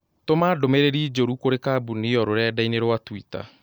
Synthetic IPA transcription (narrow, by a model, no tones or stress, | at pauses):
tomaːdomeɾeɾiːd͡ʒoɾukoɾekaːbuniɔɾoɾɛdaineɾwatwita̰